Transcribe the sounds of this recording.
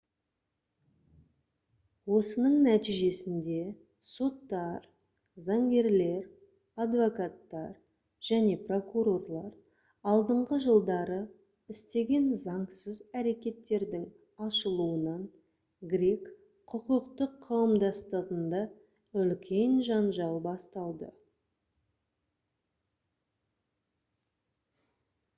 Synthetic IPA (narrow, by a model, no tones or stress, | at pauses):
wo̞sənəɴnæt̪ijʒe̞sɪnd̪e̞ | so̞t̪ːɑɾ | zɑŋɡʲe̞ɾle̞ɾ | ɑd̪vo̞kat̪ːɑɾ | ʒ̥æne̞pro̞kuɾo̞rlˠɑɾ | ɑlˠd̪əɴʁəʒəlˠd̪ɑɾə | ɪst̪e̞ɡʲe̞nzɑɴsəzæɾe̞kʲe̞t̪ːe̞ɾd̪ɪŋ | ɑʃəlˠuənɑn | ɡɾek | qʰʊqəqt̪əqʰːɑwəmd̪ɑst̪əʁənd̪ɑ | ʏlkʲʰe̞nʒɑnʒɑlˠbɑst̪ɑlˠd̪ə̰